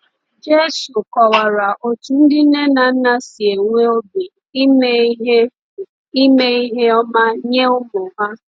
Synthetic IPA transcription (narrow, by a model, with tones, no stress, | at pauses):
d͡ʒe˦su˨kɔ˨wa˨ɾa˨ʔo˨tu˨n̩˦dɪ˦ne˦na˨n̩˦na˦si˨e˨ŋʷe˦o˦bi˨˦ | m˦ɦ | i˦me˦i˦ɦe˦ɔ˦ma˦ɲe˦ʊ˦mʊ˨ɦa˦